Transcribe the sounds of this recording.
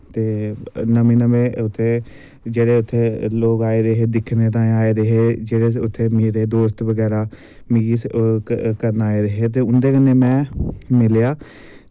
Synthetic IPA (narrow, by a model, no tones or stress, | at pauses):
t̪eːnəmẽːnəʋẽːʊt̪ʰːeː | d͡ʒeːɽeːʊt̪ʰːeːloːɡaːeːɾeɦeːd̪ɪkʰneːt̪ãːaːeːɾəɦeːd͡ʒeːɽeːʊt̪ʰːeːmeːɾeːd̪oːst̪ʋəɡɛːɾaː | miːɡiː | kəɾnaːeɾəɦeːt̪̬eːʊnd̪eːkənːeːmɛ̃ːmɪljaː